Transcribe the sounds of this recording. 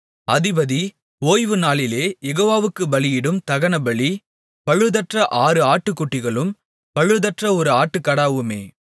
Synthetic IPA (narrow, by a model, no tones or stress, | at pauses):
ɐðɪbɐði | oːjʋɯnaːlɪleːjɛɣoːʋaːʋɯkːɯbɐɭɪjɪɽɯmt̪ɐɣɐnɐbɐɭi | pɐɻɯðɐʈrɐʔaːɾɯaːʈːɯkːʊʈːɪɣɐɭɯm | pɐɻɯðɐʈrɐɔɾɯaːʈːɯkːɐɽaːʋɯmḛː